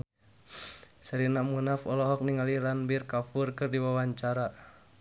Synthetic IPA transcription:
saɾinamunafɔlɔɦɔk̚niŋaliɾanbirkafurkɨrdiwawaɲt͡ʃaɾa

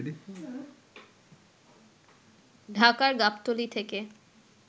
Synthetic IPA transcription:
i | ɖʱakaɾɡapt̪olit̪ʰeke

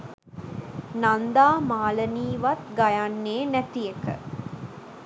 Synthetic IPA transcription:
nand̪aːmaːləniːʋɐt̪ɡɐjanːeːnæt̪ijekə̰

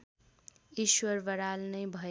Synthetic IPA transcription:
iʃwʌɾbʌɾalnʌjbʱʌ

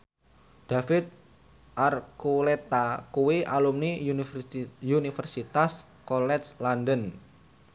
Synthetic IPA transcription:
d̪̥afɪt̪̚ | ʔarkulet̪akuwiʔalumni | junifərsit̪as | kolɛslandən

